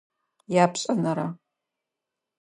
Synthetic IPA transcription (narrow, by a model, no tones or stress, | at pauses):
jaːpɕʼɐnɐɾɐ